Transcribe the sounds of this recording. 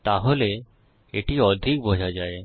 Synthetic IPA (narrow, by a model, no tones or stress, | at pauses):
t̪aɦole | eʈiɔd̪ʱik̚bʱod͡ʒʱad͡ʒaːe